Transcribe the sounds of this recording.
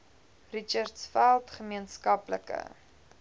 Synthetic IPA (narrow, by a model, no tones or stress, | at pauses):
rit͡ʃərtsfælˠtχəmiənskɐpləkə̰